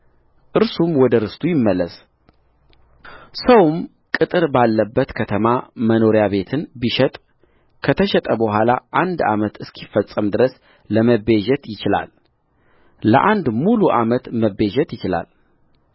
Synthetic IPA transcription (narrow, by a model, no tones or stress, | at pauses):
ʔɨɾsumwɔd̪əɾɨst̪ʰujɪmːəlːəs | səwm | kʼɨt̪ʼɨɾbalːəbːət̪kʰət̪ʰəmaməno̞ɾjaβe̞t̪ʰɨnbiʃɛt̪ʼ | kʰət̪ʰəʃɛt̪ʼəbəɦʷalaʔand̪a̰mət̪ɨskʰifːəsʼːəmd̪ɨɾəs | ləməbeʒɛt̪jɪt͡ʃɪla̰l | lə̰ʔand̪muluʔamət̪məbeʒɛt̪jɪt͡ʃɪla̰l